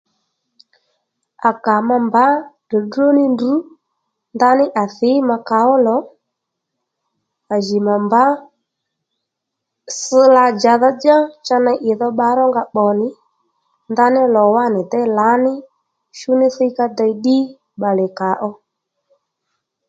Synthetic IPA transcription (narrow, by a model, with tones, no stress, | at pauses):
a˨ka˨ma˧mba˨˦də˨dro˦nɪ˦ndu˨˦ | nd̪a˦nɪ˦ʔa˨θɪ˨˦ma˧ka˨˦ɔ˦lɔ˨˦ | a˨ʒi˨ma˨mba˦ | sɪ˧la˧d͡ʒa˨ða˦d͡ʒa˦t͡ʃa˦na˧ʔɪ˨ðɔ˦ɓa˧˦ɾɔ˦ŋɡa˧ɓɔ˨nɪ˨ | nd̪a˦nɪ˦lɔ˨wa˦nɪ˨dɛ˦la˨˦nɪ˦ | ʃu˦nɪ˦θɪ˦ka˦da˨˧˦ɗi˦ | ɓa˨lɛ˨ka˨˦ʔɔ˧